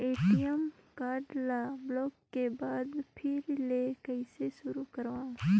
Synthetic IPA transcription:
eːʈijəmkaːɾɖlablɔːkːebaːd̪pʰɪɾlekəɪseʃʊɾukəɾʋã

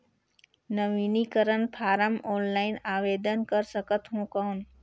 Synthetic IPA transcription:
nəʋiːnikəɾənpʰaːɾəmɔːnlaːɪnaːʋeːd̪ənkəɾsəkət̪ɦõkaːn

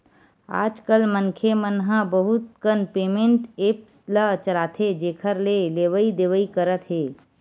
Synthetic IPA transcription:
a̰ːd͡ʒkəlmənkʰemənɦə̃bəɦʊt̪̚kənpeːmẽɳʈeːpslət͡ʃəlaːt̪ʰed͡ʒeːkʰəɾleleːʋəid̪eːʋəikəɾət̪ɦeː

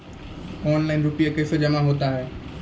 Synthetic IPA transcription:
ɔːnlaɪnɾʊpijakeːsod͡ʒɐmaɦoːt̪aːɦeː

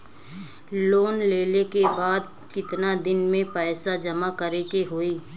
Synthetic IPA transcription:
loːnleːlekebaːd̪̚ | kɪt̪nad̪ɪnmẽpɛːsad͡ʒɐmakəɾekeɦoːiː

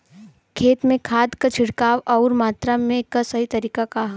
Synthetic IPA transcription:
kʰeːt̪mẽkʰaːd̪kat͡ʃʰɪɽkaːʋɔːɾmaːt̪ɾamẽkasɐɦit̪ɐɾiːkakaɦ

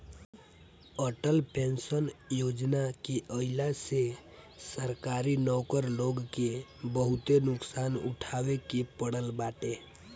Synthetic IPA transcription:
əʈəlpensənjod͡ʒnakeʔəɪlasesəɾkaɾinɔkəɾloɡkebəɦut̪enʊksanṵʈʰabekepəɽəlbaʈe

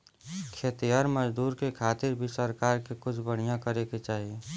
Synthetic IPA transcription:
kʰeːt̪ijaɾməd͡ʒd̪uːɾkekʰaːt̪ɪɾbʱisəɾkaːɾkekʊt͡ʃʰbəɽ̤ijãkəɾeket͡ʃaːɦie

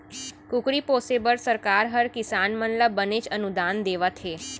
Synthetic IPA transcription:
kʊkɾipoːsebəɾsəɾkaːɾɦəɾkɪsaːnmənləbbːənet͡ʃənʊd̪aːnd̪eːʋat̪ʰɦeː

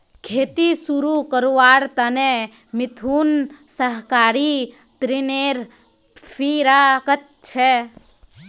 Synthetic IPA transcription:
kʰeːt̪isuɾukəɾoʋaːɾt̪əne | mɪt̪ʰunsəɦkaːɾi | t̪ɾineːɾ | pʰiɾakət̪̚t͡ʃʰɛ

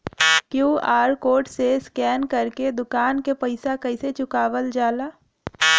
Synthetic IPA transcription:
kjuːaːɾkoːʈseɪskɛːnkɐɾked̪ʊkaːnkepəɪsakəɪset͡ʃʊkaːʋəld͡ʒaːlaː

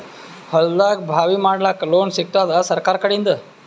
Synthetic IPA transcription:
həld̪ak̚bʱaʋimaɽlakloːnsik̚t̪ad̪asəɾkaɾkəɽind̪ə

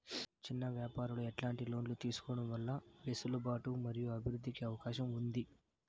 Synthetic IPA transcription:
t͡ʃinːɐʋjaːpaːɾulueʈlaːɳʈilo̞ːnlut̪iːsu̥kɔːɽɐmʋɐlːɐʋesulubaːʈumɐɾijuɐbʱiɾud̪ːikiɐʋɐkaːʃɐmund̪i

